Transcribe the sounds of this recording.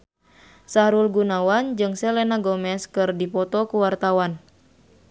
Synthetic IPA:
saɾulɡunawand͡ʒɨŋsɛlɛnaɡɔmɛskɨrdipɔt̪ɔkuwart̪awan

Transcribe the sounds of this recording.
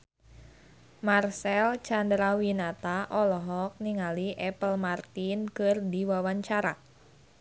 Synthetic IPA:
marsɛlt͡ʃandɾawinat̪aʔɔlɔɦɔk̚niŋaliʔɛpəlmart̪inkɨrdiwawaɲt͡ʃaɾa

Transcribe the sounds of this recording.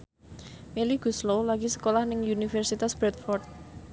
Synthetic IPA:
meliɡ̥ṳslolaɡ̥isə̥kolahnɪŋunifɛrsit̪asb̥ɾɛt̪̚fɔrt̪̚

